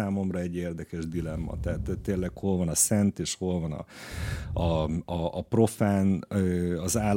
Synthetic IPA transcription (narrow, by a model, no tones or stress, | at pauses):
aːmo̞mrɒɛɟːeːrd̪ɛkɛʒd̪ilɛmːɒ̰t̪ɛɦːt̪t̪ːeːlːɛkho̞lvɒnɒsɛnt̪eːʃho̞lvɒnɒ̰ | ɒɒːpro̞faːnøːɒzaːl